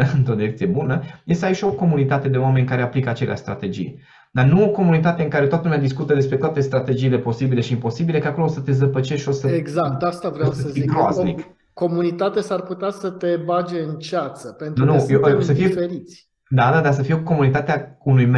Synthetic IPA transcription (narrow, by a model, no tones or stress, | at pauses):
ɨnt̪ɾod̪jek̚t̪ijebunəjest̪eait͡ʃo̞ko̞munit̪at̪e̞d̪e̞oame̞nʲkaɾe̞aplikəat͡ʃe̞lḛa̰ʃst̪ɾa̰t̪e̞d͡ʒḭj | d̪anuoko̞munit̪at̪eɨŋkaɾe̞t̪oat̪əlumʲead̪iskut̪əd̪e̞spɾe̞t̪oat̪e̞st̪ɾat̪e̞d͡ʒiːle̞po̞sibile̞ʃiimpo̞sibilekako̞loosət̪e̞zəpət͡ʃeʃʃo̞səeɡzakt̪ast̪avɾssəəiɡɾoaznik | ko̞munit̪at̪esarput̪easət̪e̞bad͡ʒeɨnt͡ʃat̪səpent̪nunujesəfijeeɾit̪sʲ | d̪ad̪ad̪as̬əfijeoko̞munit̪at̪eaunujm